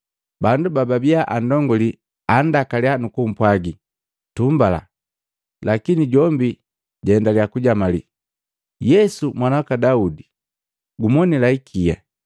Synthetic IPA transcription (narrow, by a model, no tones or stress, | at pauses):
bandubababiaʔandɔŋɡɔli | andakalɛanukum̩pwaɡi | tumbala̰ | lakiniɟɔmbi | ɟaɛndaliakuɟamalḭ | jɛsumwanawakadaudi | ɡumɔnilaikʰija̰